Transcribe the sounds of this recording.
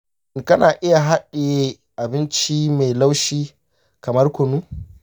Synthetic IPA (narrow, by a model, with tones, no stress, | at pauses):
ŋkɐ˦naː˨ʔɪ˦ja˨ɦa˦ɗe˨e˦ | ʔa˨bɪ˦nt͡ʃi˦ma˨jla˦wʃiː˦ | kɐ˨mɐ˦rkʷʊ˨nu˦